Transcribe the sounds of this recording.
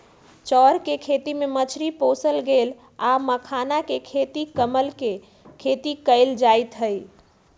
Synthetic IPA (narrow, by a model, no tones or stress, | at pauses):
t͡ʃɔɾkekʰet̪imemət͡ʃʰɾipõsəlɡel | aməkʰanakekʰet̪ikəməlke | kʰet̪ikəɪld͡ʒajt̪ɦəj